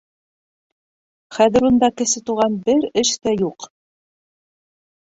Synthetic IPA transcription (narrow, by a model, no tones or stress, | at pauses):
χæðɘ̆ɾund̪ɑkɘ̆sɘt̪uʁɑnbɘɾɘʃt̪æjuq